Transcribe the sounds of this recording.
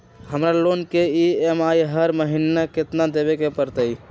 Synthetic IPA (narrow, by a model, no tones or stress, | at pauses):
həmɾalonkeiemajɦəɾməɦinːaket̪nad̪eβekepəɾt̪əj